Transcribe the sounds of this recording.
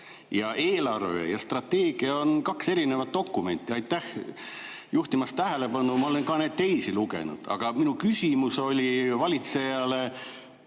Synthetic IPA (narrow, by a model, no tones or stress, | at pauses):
jɑʔe̞ːlɑrvḛjɑst̪rɑt̪ːe̞ːɡ̥iɑo̞nkɑkse̞ɾine̞vɑt̪̚ːo̞kːˑume̞nʲt̪ːˑiɑjt̪ːˑæh | juht̪imɑst̪æɦæle̞pɑnumɑo̞lenkɑne̞ːd̪̚t̪e̞jsiluɡe̞̰nṵd̪̥ɑ̰ɡ̥ɑminukysʲimuso̞lʲivɑlʲit̪se̞jɑle̞